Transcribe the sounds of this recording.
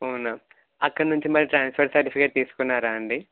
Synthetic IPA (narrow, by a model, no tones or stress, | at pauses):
ɐnam | ɐkːɐɽɐnuɲt͡ʃimɐɾiʈɾaːnspʰɐɾsɐɾʈipʰikeʈ̚t̪iːsu̥kunːaːɾaːɐɳɖi